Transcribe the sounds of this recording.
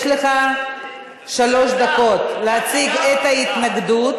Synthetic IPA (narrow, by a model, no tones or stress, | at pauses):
ʃle̞χa | ʃalo̞ʃd̪ako̞t̪lehat͡siɡet̪ait̪naɡd̪ut̪